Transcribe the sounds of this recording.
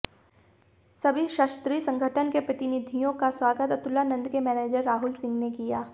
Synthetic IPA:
sɐbʱiʃaːʃt̪ɾiːsɐ̃ŋɡʱəʈʰənkepɾɐt̪ɪnɪd̪ʱijõkaswaːɡət̪ɐt̪ʊlːanɐ̃nd̪kemɛːneːd͡ʒəɾːaːɦʊlsɪ̃ŋɡnekijaː

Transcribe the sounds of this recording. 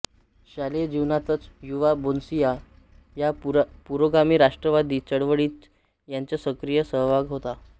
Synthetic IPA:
ɕaled͡ʑiʋnat̪ət͡sjuʋabonsija | japuɾoɡamiːɾaʂʈɾəʋad̪iːt͡səɽʋəɽiːt̪ | jaɲt͡ɕjasəkɾijəsəɦʋʱaɡɦot̪a

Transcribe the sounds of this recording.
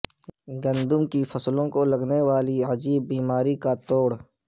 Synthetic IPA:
ɡɐ̃nd̪ʊmkifʰɐslõkolɐɡnewaːliɐd͡ʒiːbːiːmaːɾikat̪oːɽ

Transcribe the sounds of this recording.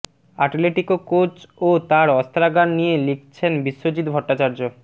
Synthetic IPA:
aʈleʈikokot͡ɕot̪aɾɔst̪ɾaɡannijelik̚ʰt͡ɕʰenbiʃːod͡ʑid̪bʱɔʈːat͡ɕaɾd͡ʑo

